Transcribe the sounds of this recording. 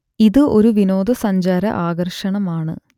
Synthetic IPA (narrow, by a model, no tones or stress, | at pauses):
iðɨʔo̞ɾuʋino̞ːd̪ɐsɐɲd͡ʑaːɾɐ̰ʔaːɡɐrʂɐɳɐmaːɳɨ